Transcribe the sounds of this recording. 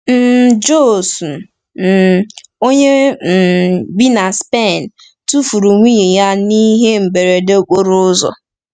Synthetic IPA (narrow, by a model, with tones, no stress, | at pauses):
m̩˦d͡ʒo˦˨su˨ | o˦ɲe˦m̩˨bi˦na˨spe˦˨n˨ | tu˦fu˨ɾu˨ŋʷi˦e˨ja˦ni˦ɦe˦m̩˨be˨ɾe˨de˦˨ɡʷo˦ɾʊ˦ʊ˦zɔ̰˨